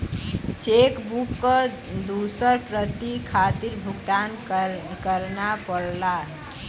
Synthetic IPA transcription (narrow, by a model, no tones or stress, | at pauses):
t͡ʃekbukːʌ | d̪usəɾpɾət̪ikʰat̪iɾbʱuɡd̪an | kəɾnapəɽla